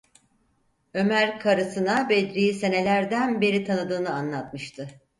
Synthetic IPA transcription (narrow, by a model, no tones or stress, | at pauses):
ø̞mæɾkʰaɾɯsɯnabed̪ɾijise̞ne̞lʲæɾd̪ænbe̞ɾit̪ʰanɯd̪ɯːnɯanlˠat̪mɯʃt̪ʰɯ